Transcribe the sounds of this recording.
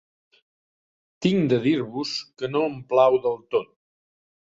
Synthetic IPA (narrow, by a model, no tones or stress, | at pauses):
t̪iŋd̪əðiɾβuskənoəmplawðəlˠt̪ot̪̚